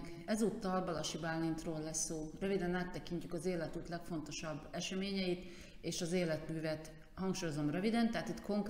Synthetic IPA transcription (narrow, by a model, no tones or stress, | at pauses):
k | ɛzut̪ːɒlbɒlɒʃibalːint̪roːlːɛsːoːrøvid̪ɛnaːt̪ːɛkiɲcykɒzeːlɛt̪ut̪lɛkfo̞nt̪o̞ʃɒbːɛʃɛmeːɲɛjit̪ | eːʃɒzeːlɛt̪myːvɛt̪ | hɒŋkʃuːjo̞zo̞mrøvid̪ɛnt̪ɛɦat̪it̪ko̞ŋk